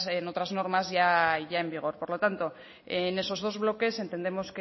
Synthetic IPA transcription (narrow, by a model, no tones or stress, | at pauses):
eno̞t̪ɾazno̞ɾmazʝaiʝae̞mbiɣ̞o̞ɾpo̞ɾlo̞t̪ant̪o̞ | ene̞so̞zð̞o̞zβlo̞ke̞se̞nt̪e̞nd̪e̞mo̞ske